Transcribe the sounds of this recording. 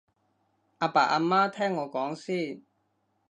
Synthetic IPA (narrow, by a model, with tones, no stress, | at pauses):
ʔaː˧pa̰ː˨˩ʔaː˧maː˥t̪ʰɛː˥ŋːɔː˨˧kɔː˨˥ŋsiː˥˨